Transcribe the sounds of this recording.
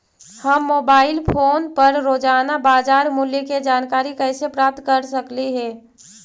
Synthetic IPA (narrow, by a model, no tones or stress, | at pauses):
həmːoːbaːɪlpʰoːnpəɾɾoːd͡ʒaːnabaːd͡ʒaːɾmʊljəked͡ʒaːnkaːɾikɛːsepɾaːp̚t̪kɐɾsɐkliɦɛː